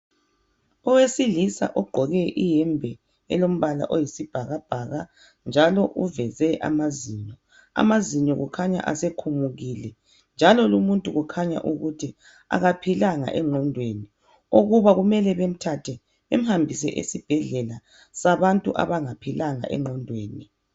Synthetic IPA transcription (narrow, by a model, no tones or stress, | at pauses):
ɔwesilisa̰ʔɔɡ͡ǃʱɔɣɛʔijɛmbʱɛ | ɛ̰lom̩βala̰ʔojisib̥ʱaɣab̥ʱaɣa | nd͡ʒʱalɔʔuvɛzɛʔa̰maziɲɔ | a̰maziɲɔɣukʰaɲa̰ʔa̰sekʰumuɣilɛ | nd͡ʒʱalɔlumuntʼuɣukʰaɲa̰ʔuɣutʰi | a̰ɣapʰilaŋa̰ʔɛŋ͡ǃʱɔndʱweni | oɣuβaɣumɛlɛβem̩tʰatʰɛ | βḛm̩hambʱis̬ɛ̰ʔḛsib̥ʱɛɮɛla | saβantʼṵʔa̰βaŋapʰilaŋa̰ʔɛ̰ŋ͡ǃɔndʱweːni